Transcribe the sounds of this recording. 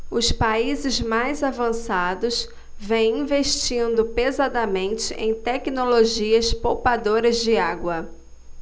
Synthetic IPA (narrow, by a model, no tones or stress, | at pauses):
ʊspaizɪzmajzavɐ̃sad̪ʊs | vẽj̃ĩveʃt͡ʃĩnd̪ʊpezad̪ɐmẽnt͡ʃɪʔẽj̃t̪ɛkinoloʒiɐspowpad̪oɾɐzd͡ʒɪaɡwɐ